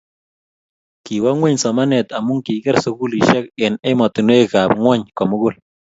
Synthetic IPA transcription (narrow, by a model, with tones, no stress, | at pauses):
ki˨wa˦ŋwe˦ɲsɔ˨ma˦nɛ˨t̪a˨mʊ˦ŋki˨kɛ˦ɾsʊ˨ku˦li˨ʃɛ˦k̚ɪ˨nɪ˦mɔ˨t̪ɪ˨nwe˦ka˨pŋwɔ˦ɲkɔ˨mʊ˦ɡʊ˦l